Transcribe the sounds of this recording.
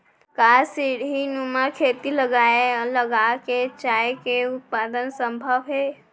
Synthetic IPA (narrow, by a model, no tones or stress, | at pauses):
kasiɾɦinumakʰet̪iləɡaeləɡaket͡ʃaekeut̪̚pad̪ənsəmbʱəbɦe